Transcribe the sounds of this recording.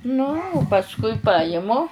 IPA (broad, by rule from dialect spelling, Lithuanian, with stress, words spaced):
ˈnʊ ʊ pɐsˈkʊɪ ˈpɑːjɪmʊ